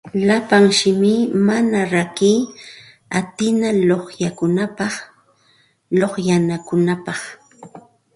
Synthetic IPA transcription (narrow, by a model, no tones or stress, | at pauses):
lapaŋʃɪmɪmanaɾakiː | at̪ɪnaloχjakʊnapɑχ | loχjanakʊnapɑχ